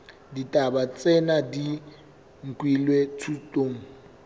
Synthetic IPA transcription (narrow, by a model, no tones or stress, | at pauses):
ditʼabat͡sʼɛnadi | ŋ̩kʼwilwetʰutʼoːŋ̩